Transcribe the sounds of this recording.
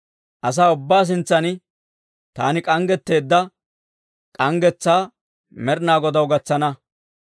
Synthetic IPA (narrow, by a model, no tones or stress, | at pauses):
ʔɐs̬aːʊbːaːs̬ɪnt͡sːɐnɪ | t̪aːnɪkʼɐŋɡɛt̪ːe̞ːd̪ːɐ | kʼɐŋɡɛt͡sːaː | mɛɾnaːɡɔd̪ɐwɡɐt͡sːɐnɐ